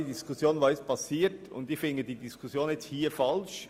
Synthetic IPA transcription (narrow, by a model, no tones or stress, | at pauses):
idiskʰʊsjoːnvaːɛstpʰɑsiːtʊ̰ndɪfɪŋɡəd̥iːdiskʰʊsjoːnjɛt͡sthiːɐfɑlʃ